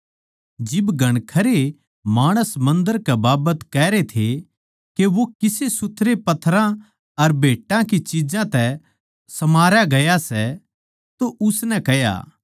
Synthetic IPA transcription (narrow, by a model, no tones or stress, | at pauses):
d͡ʒɪbɡʱɐɽ̃kʰɐɾe | maːɽ̃əsmɐ̃nd̪əɾkɛbaːbət̪kɛːɾet̪ʰe | keʋokɪsesʊt̪ʰːɾepɐt̪ʰːɾã | ɐɾbʱeːʈãkit͡ʃid͡ʒãt̪ɛ | sɐmaːɾjaɡɐjasɛ | t̪oʔʊsnɛkɐja̰ː